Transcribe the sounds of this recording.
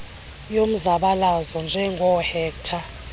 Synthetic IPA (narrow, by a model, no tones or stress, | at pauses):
jom̩zaɓalazɔnd͡ʒʱɛŋɡʱɔhɛːktʰa